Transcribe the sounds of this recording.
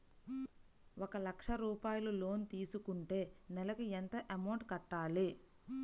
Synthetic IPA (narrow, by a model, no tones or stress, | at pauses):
ʔɔkɐlɐkʂɐɾuːpaːjɐlulo̞ːnt̪iːsukuɳʈe̞ːnɛlɐkuent̪ɐʔemɐwʈkɐʈːaːli